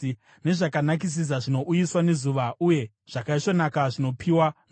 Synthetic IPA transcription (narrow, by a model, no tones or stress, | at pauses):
ne̞ʐakanak̬is̬is̬aʐino̞ʔujiswane̞zuʋauje̞ | ʐ̥akaiʂo̞nakaʐino̞pʰiwan